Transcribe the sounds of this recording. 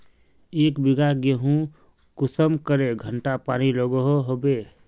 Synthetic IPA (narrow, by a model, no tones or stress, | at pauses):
eːkbɪɡaɡeɦũ | kʊsəmkəɾeɡʱəɳʈapaːñiləɡəɦoɦobe